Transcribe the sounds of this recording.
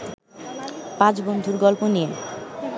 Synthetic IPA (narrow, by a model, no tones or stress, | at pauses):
pãt͡ɕbond̪ʱuɾɡɔlponie